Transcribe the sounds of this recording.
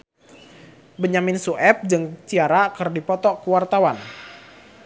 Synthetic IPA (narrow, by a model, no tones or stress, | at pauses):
bəɲamɪnsuʔɛp̚d͡ʒɨŋt͡ʃiaɾakərdipɔt̪ɔkəwart̪awan